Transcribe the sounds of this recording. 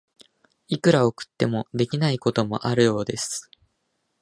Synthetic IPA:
ikɯ̟ɾaokɯ̟̥t̪ːe̞mo̞d̪e̞kʲinaiko̞t̪o̞mo̞̰ʔaɾɯ̟jo̞ːd̪e̞sɨ̥

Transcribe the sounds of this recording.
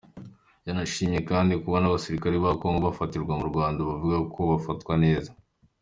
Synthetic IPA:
janaʃiːmɲe̞kaːndikuβanaβasiɾikaɾeβakoŋɡoβafatiɾɡwamuɾɡwaːndaβavuɡakʰo̞βafatkwane̞ːza

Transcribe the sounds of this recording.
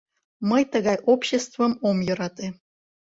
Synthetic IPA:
məjt̪əɡɑjʔopɕest̪vəmomjoɾɑt̪ɨ

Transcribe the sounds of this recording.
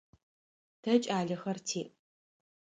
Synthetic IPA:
tʰɐt͡ʃʼaːɮɐxɐrtʰiːʔ

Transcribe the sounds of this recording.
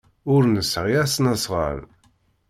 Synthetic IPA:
ʊɾnəsʁiæsnəsʁə̰l

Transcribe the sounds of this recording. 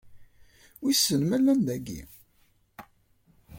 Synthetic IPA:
wisːənmælːænd̪æɡḭ

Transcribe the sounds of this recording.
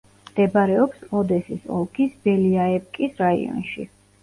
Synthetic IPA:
md̪̥ɛbaɾɛɔpsɔd̪ɛsisɔ̰lˠkʰisbɛliaɛp̚kʼisɾaḭɔ̰nʃḭ

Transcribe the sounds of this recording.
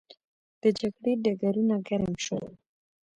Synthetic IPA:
d̪̥əd͡ʒaɡɽeɖaɡaɾunaɡaɾamʃo

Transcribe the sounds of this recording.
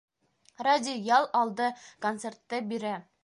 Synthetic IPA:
radʲijɑlˠɑlˠd̪ɤkont̪sert̪ːɤbiɾæ

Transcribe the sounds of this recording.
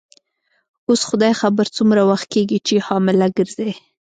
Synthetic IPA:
osxʊd̪ɑjxabəɾt͡sumɾawaxt̪̚keɡit͡ʃehɑmɪlaɡəɾz̥e

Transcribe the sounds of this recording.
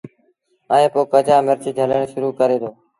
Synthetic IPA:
əːẽːpoːkəd͡ʒaːməɾt͡ʃid͡ʒʱələɳʃʊɾuːkəɾeːd̪oː

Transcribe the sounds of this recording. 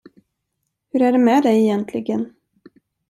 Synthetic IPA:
hɵɾæɖɛmɛd̪ɛjɛjɛnt̪ʰlɪɡən

